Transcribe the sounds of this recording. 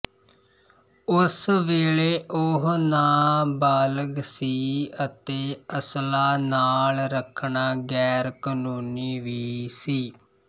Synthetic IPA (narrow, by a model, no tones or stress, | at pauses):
ʊsʋeːɭeːʔʊɦnaːbaːləɡsiːət̪eːəslaːnaːlɾəkʰɳaːɡɛːɾkənuːniːʋiːsiː